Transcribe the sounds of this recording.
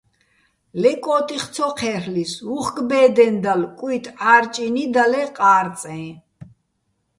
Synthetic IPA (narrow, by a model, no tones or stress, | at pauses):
lɛkʼɔːt̪ʼiχt̪sʰɔqʰɛɾlisuχɡbɛːd̪ɛnd̪alkʼwit̪ʰʼaːɾt͡ʃʼinid̪alɛqʼaːɾt̪t͡sʼɛ̃